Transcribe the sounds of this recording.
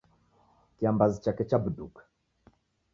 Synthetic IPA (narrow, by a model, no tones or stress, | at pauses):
kiambazit͡ʃakɛt͡ʃabduk